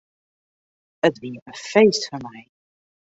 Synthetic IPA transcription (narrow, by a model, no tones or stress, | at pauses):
ətviːənfejstfəmɛj